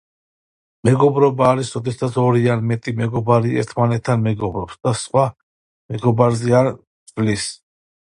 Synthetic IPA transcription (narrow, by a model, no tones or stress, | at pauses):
mɛɡɔbɾɔbaːɾisɾɔd̪ɛsat̪sʰɔɾianmɛt̪ʼimɛɡɔbaɾiɛ̰ɾt̪ʰmanɛt̪ʰːanmɛɡɔbɾɔpsd̪̥asχwa | mɛɡɔbaɾzɛaɾ | vlis